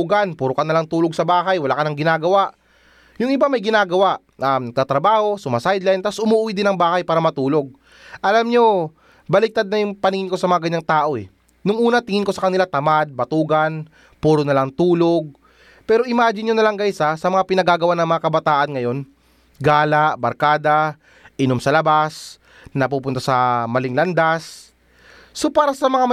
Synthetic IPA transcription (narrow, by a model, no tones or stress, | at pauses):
ɡɐnpuːɾokɐnɐlaŋt̪uːloɡsɐbaːɦajwɐla̰ːkɐnɐŋɡɪnaːɡɐwaʔ | jʊŋɪbamɐjɡɪnaːɡɐwaʔ | ʔɐmk̪ɐt̪ɾɐbaːho̞sʊmasajd̪lajnt̪ɐsʔʊmuːʔujd̪ɪnɐŋbaːhajpaːɾɐmɐt̪uːlo̞ɡ̚ | ʔɐlamɲo̞ | bɐlɪk̚t̪ad̪̚nɐjʊŋpɐnɪŋɪnko̞sɐmɐŋaɡɐɲːaŋt̪aːʔo̞ʔɛ | nʊŋʔuːnɐt̪ɪŋɪnko̞sɐkɐnɪlat̪ɐmad̪̚bɐt̪uːɡɐn | puːɾonɐlaŋt̪uːlo̞ɡ̚ | pɛːɾo̞ʔɪmaːd͡ʒɪnɲonɐlɐŋɡɐjsasɐmɐŋapɪnɐɡaɡɐwanːɐŋmɐŋakɐbɐt̪aːʔɐnŋɐjo̞n | ɡaːlaʔbɐɾkaːd̪ɐ | ʔɪnomsɐlɐbas | nɐpupʊnt̪asɐmɐlɪŋlɐnd̪as | so̞paːɾɐsɐmɐŋa